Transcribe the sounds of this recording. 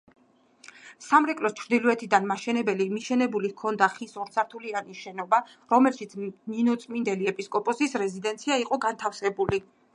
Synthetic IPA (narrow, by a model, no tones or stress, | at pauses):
samɾɛkʼlɔst͡ʃʰɾd̪iluɛt̪ʰid̪anmaʃɛnɛbɛlimiʃɛnɛbulikʰɔnd̪aχisɔɾt̪sʰaɾt̪ʰulianiʃɛnɔba | ɾɔmɛlʃit̪sʰninɔt̪sʼmind̪ɛliɛpʼiskʼɔpʼɔsisɾɛzid̪ɛnt̪sʰiaiqʼɔɡant̪ʰafsɛbuli